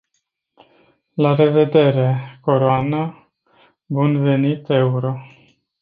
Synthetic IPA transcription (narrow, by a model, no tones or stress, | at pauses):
laɾe̞ve̞d̪e̞ɾe̞ko̞ɾoana | bunve̞nit̪e̞uɾo̞